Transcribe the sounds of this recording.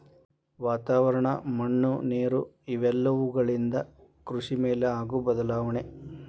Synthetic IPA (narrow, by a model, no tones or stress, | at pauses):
ʋaːt̪aːʋɐɾɐɳɐmɐɳːuneːɾu | iʋɛlːɐʋuɡɐɭind̪ɐkɾuʂimeːleaːɡubɐd̪ɐlaːʋɐɳe